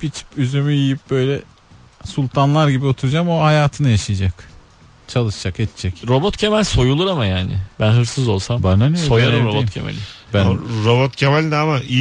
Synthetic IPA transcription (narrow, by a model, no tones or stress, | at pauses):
pʰit͡ʃʰi̥pyzømyjijip̚bø̞jlʲɛ | sulʲˠt̪ʰanlˠaɾɟibio̞t̪ʰuɾud͡ʒamohajaːt̪ʰɯnajaʃɯjad͡ʒak | t͡ʃʰalˠɯʃd͡ʒaket̪ʰt͡ʃʰɛcɾo̞bot̪cʰemælʲso̞julˠuɾamajaːnɪ̰bænɦɯɾsɯzo̞̰lˠsambananijosojaɯobot̪cʰḛmḛlʲi | bænɾo̞bot̪cʰemɛlʲd̪ɛamai